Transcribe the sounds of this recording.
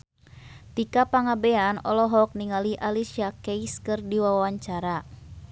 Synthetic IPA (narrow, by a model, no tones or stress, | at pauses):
t̪ikapaŋabɛanɔ̰lɔɦɔk̚niŋaliʔalisiakeiskɨrdiwaawaɲt͡ʃaɾa